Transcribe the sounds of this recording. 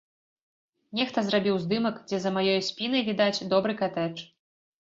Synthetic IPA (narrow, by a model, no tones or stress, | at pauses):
nʲɛxt̪ɐzɾabʲiwzd̪ɨmɐkd͡zʲɛzɐmajɔjsʲpʲinɐjvʲid̪at͡sʲd̪ɔbɾɨkat̪ɛt͡ʂ